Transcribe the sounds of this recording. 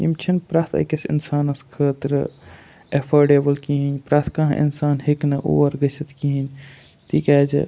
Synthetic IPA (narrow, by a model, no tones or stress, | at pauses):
ḭmt͡ʃʰɐnpɾaːt̪ʰɐ̰jkesḭnsaːnɐskʰəːt̪ɾə | epʰoɾɖeːbəlkiɦinpɾaːt̪ʰkaɦʔḭnsaːnheknɐʔo̰ʋɐɾɡəsɐt̪ʰkiɦin | t̪ʰikad͡ʒḛ